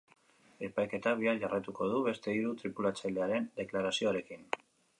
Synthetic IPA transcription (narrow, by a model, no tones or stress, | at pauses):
e̞pajke̞t̪aβiaʝarajt̪uko̞ð̞uβe̞st̪e̞iɾut̪ɾipulat͡sald̪e̞aɾe̞nd̪e̞klaɾasio̞aɾe̞kin